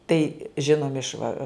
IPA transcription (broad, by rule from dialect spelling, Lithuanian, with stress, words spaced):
tɐɪ ˈʒʲɪnoːmʲɪ ɪʃ ʋɐ